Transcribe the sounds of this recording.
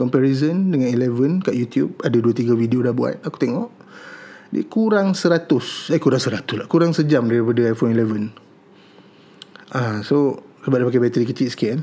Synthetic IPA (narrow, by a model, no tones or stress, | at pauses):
kɔmpɛɾizəndəŋanilɛvənkaʔjut̪jub̚adaduət̪iɡavidiodahbua̰t̪̚aku̥t̪eŋɔʔ | dḭkuɾaŋsəɾat̪ʊsakuɾaŋsəɾat̪ʊslakuɾaŋsəd͡ʒamdaɾipadəajfɔnilɛvən | ʔaso | səbap̚dapakajbɛt̪əɾikət͡ʃɪʔ̪sə̥kian